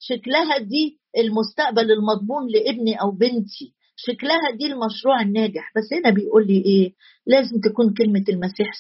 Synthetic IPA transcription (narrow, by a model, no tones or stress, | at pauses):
ʃæklæɦæd̪iː | ʔelmʊst̪æʔbælelmɑd̪ˤmuːnleʔebniʔæwbent̪ʰi | ʃæklæɦæd̪iːlmɑʃɾuːʕenːæːɡeħbæsːhænæbejʔuːlːiːʔeː | læːzemt̪ækuːnkelmelmæsiːħ